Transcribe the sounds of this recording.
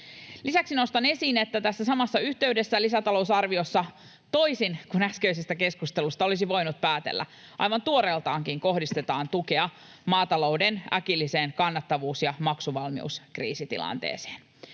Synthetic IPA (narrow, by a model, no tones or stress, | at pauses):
lisæksinost̪ɑne̞siːnet̪ːæt̪æsːæsɑmɑsːɑyht̪e̞ydesːælisæt̪ɑlo̞usɑrʋiosːɑ | t̪o̞isinkunæskøis̬est̪æke̞skust̪e̞lust̪ɑo̞lisiʋo̞jnut̪̚pæːt̪ḛlːæ̰ | ʔɑ̰jʋɑnt̪uoɾelt̪ɑːŋkiŋko̞ɦdist̪e̞t̪ɑːnt̪uke̞ɑ | mɑːt̪ɑlo̞udenæ̰kilːise̞ːnkɑnːɑt̪ːɑʋuːsjɑmɑksuʋɑlmḭṵskrḭːsit̪ḭlɑ̰nt̪ḛːse̥ːn